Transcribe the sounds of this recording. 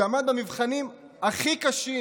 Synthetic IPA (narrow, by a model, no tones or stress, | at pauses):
amad̪amivχanim | aχikaʃi